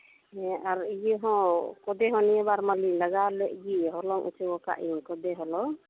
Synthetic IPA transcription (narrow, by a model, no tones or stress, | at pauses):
ɛaɾijəɦɔ̃kɔd̪ɛɦɔ̃nijəbaɾmaliləɡalɛʔɡiɦɔlɔŋʔṵt͡ʃɛbɔka̰ʔiɲkɔd̪ɛɦɔlɔ